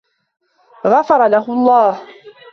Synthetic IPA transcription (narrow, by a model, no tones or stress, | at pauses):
ɣɑfɑɾˤɑlaɦʊɑlˤːɑːh